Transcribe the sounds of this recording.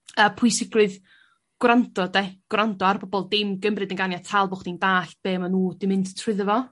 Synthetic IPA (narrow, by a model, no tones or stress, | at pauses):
əːpʰʊjsɪɡrɨð | ɡ̥wrandɔdeɡ̥wrandɔarbɔbɔlˠdɪmɡəmrɨdəŋɡanjatʰaːlˠbɔχd̥indaːɬb̥eːmanuːd̥ɪmɪnttʰr̥ɪðəvɔ